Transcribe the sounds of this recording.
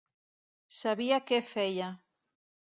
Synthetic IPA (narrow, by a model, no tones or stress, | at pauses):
saβiakefeʎa